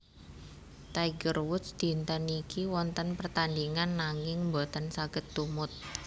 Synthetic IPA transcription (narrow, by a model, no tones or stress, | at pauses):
t̪aiɡərwʊt̪sd̪̥i̤nt̪ənikiwɔnt̪ənpərt̪andiŋanːaŋɪŋmbot̪ansaɡ̥ə̤t̪ːumʊt̪̚